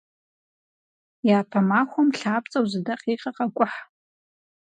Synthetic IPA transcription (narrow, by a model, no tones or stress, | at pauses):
jaːpʰamaxʷomɬaːp̚ʰʼt͡sʼawzɨdaqʼiːqʼɐqʼakʷʼʊħ